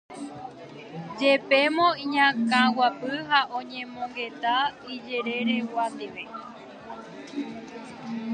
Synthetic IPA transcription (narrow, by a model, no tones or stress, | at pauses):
d͡ʒepe̞mõĩɲãkãwapɨɦaʔõɲẽmõŋɡe̞t̪aid͡ʒeɾeɾe̞wat̪eʋe